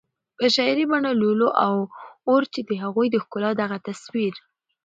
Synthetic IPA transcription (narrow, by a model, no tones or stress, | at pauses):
pəʃɑjɾibaɳoluloʔawoɾt͡ʃed̪əɦaɣujd̪əxkʊlɑd̪aɣat̪aswiɾ